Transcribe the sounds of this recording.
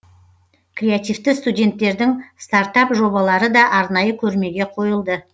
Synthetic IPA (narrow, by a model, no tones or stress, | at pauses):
krʲeat̪ʲijvt̪ɪst̪udʲe̞nt̪ːe̞ɾd̪ɪŋst̪ɑɾt̪ɑpʒo̞bɑlˠɑɾəd̪ɑʔɑɾnɑjəkʲʰɵɾme̞ɡʲe̞qʰo̞jəlˠd̪ə